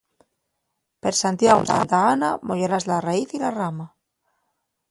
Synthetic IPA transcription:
peɾsant̪jaɣot̪a̰nt̪aɣanamoʝoɾazlaraiθilarama

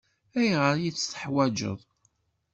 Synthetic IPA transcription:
æjʁəɾjit͡sːθə̥ħwæd͡ʒə̰ðˤ

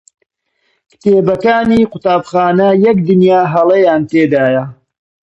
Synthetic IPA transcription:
kt̪eːbɐkaːniːqʊt̪aːbxaːnɐjɐkd̪ɨnjaːɦɐlˠɐjaːnt̪eːd̪aːjɐ

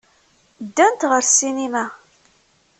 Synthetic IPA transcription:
d̪ːænt̪ʁəɾsinimæ

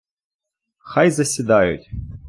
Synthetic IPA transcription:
xajzɐsʲɪd̪ajṵt̪ʲ

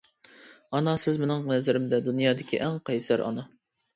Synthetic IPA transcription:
ɑnɑsɪzmɪnɪŋnɛzɪɾɪmd̪ɛd̪unjɑːd̪ɪkʲʰḭʔɛŋqɑjsæɾɑ̰nɑ

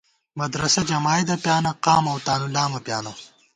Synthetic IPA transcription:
mɐd̪ɾɐsɐd͡ʒɐmaːjd̪ɐpjaːnɐqɑːmɐwt̪aːnulaːmɐpjaːnɐ

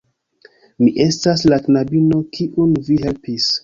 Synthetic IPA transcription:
miʔe̞staslaknabino̞kʰiʔunviɦe̞lpis

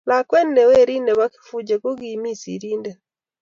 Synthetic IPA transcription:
lakwendɛweɾinɛβaki̥fud͡ʒekoɡimisḭɾiːndɛ

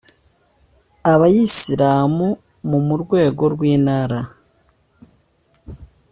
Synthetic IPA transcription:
aβajisiɾaːmu | mumuɾɡwe̞ːɡo̞ɾɡwiːnaːɾa

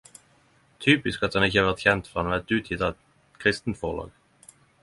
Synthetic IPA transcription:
t̪ʰyːpɪskɑt̪hɑnɪçəhɑːʁʋæʁt̪çɛnt̪fɔʁɑnɑʋæʁt̪ʉːt̪ʰjɪt̪ɑʋɛt̪ | kʰʁɪst̪n̩t̪fɔʁlɑ̰ːɡ

